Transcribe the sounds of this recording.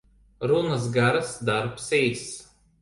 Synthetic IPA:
ɾunɐs̬ɡaɾɐsd̪aɾpsɛjs

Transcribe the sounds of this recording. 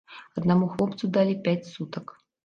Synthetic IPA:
ɐd̪namuxlˠɔpt̪sud̪alʲipʲæt͡sʲsut̪ɐk

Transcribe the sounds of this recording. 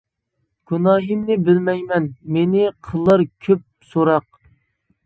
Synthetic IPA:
ɡ̥unɑːɦimnɪbɪlmɛjmɛnmenɪqʰəlˠːəɾkʲʰøp̚soɾɑq̚

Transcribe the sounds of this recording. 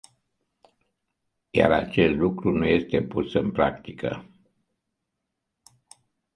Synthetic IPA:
ja̰ɾa̰t͡ʃe̞st̪lukɾunuje̞st̪e̞pusɨnpɾakt̪ikʰə̰

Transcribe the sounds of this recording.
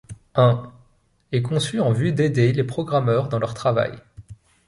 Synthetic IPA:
ɛ̃ | ɛkɔ̃syɑ̃vyd̪ed̪elepχɔɡʁamœʁd̪ɑ̃lœʁt̪χava̰j

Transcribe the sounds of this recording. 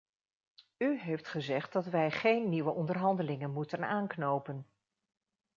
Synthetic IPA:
yɦejftχəzɛχtdɑtʋɛjχejnːiʋəʔɔndərɹɦɑndəlɪŋənmutənaːnknowpən

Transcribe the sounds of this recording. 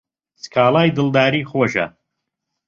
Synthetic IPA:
skʰaːlˠaːjd̪ɨlˠd̪aːɾiːχoːʃɐ̰

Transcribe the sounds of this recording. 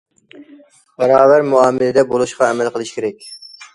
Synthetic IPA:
bɛɾɑːvæɾmuɑːmɪlɪd̪ɛbolˠuʃqɑɛmɛlˠqəlˠɨʃkʲʰeɾɛkʲ

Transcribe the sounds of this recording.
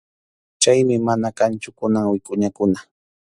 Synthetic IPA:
t͡ʃajmɪmanakant͡ʃʊkʊnaŋwɪkʼʊɲakʊna

